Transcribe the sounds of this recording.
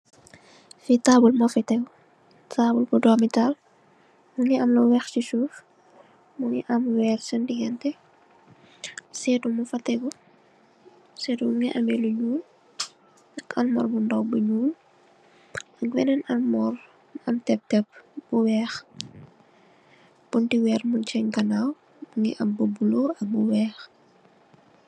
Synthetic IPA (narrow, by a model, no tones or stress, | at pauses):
fitaːbulmɔfitɛɡ | taːbulkudɔːmital | muŋiɐmlɔwɛxcisuːf | muŋḭʔɐmwɛːksɔndiɡɛntɛ | sɛːtumufɐtːɛkɔ | sɛːtumuŋiʔɐmɛluɲuːl | ɐkɐlmɔrbundɔwbuɲuːl | ɐkwɛnɛnɐlmɔr | ɐmtɛp̚tɛp̚buwɛːx | buntiwɛːrmunt͡ʃɐɲkɐnaw | muŋɛ̰ʔɐmbobuloɐbuwɛːx